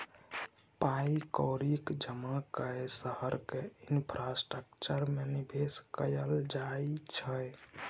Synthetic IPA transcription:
paikɔɾikd͡ʒəmakəesəhəɾkeinpʰɾasʈɾək̚t͡ʃəɾmenibʱeskəjəld͡ʒajt͡ʃʰəj

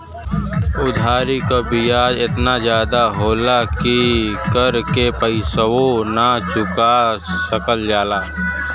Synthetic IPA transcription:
ʊd̪ʱaːɾikobijaːd͡ʒɪt̪nazjaːd̪aɦoːlakikəɾkepəɪsəwonat͡ʃʊkaəkəld͡ʒaːlaː

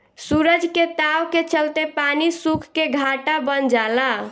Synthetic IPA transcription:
suɾəd͡ʒket̪awket͡ʃəlt̪epanisukʰkeɡʱaʈabənd͡ʒala

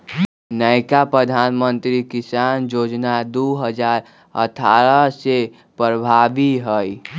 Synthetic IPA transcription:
nəɪkapɾəd̪ʱaːnmə̃nt̪ɾikɪsaːnd͡ʒoːd͡ʒnad̪oɦəd͡ʒaːɾ | ə̰t̪ʰaːɾəse | pɾəbʱaːʋiɦəi

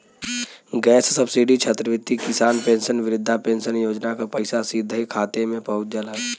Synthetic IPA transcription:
ɡɛːssəbsiːɖit͡ʃʰət̪ɾəʋɪt̪ːikɪsaːnpẽːnʃənʋɪɾɪd̪ʱːapẽːnʃənjoːd͡ʒnakapɐɪsasiːd̪ʱəɦikʰaːt̪emẽpəɦʊt̪̚d͡ʒəlaɛ

